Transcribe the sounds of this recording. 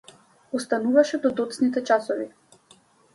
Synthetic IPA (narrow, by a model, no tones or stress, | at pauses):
ɔst̪anuvaʃɛd̪ɔd̪ɔt̪snit̪ɛt͡ʃasɔvi